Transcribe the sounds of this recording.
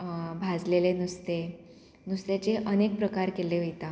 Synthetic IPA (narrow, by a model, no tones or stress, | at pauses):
bʱad͡zlelenust̪e | nust̪et͡ɕeʔənek̚pɾəkaɾkeleʋəjt̪a